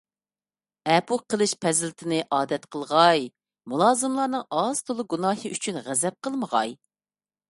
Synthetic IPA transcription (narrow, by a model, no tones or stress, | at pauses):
ɛpuqəlˠɨʃpʰɛzɪlt̪ʰɪnɪʔɑːd̪ɛt̪qʰəlˠʁɑj | mulˠɑːzɨmlˠɑɾnɨŋɑz̥t̪ʰolˠuɡunɑːɦɨʔyt͡ʃʰynʁæzɛp̚qʰəlˠməʁɑ̰j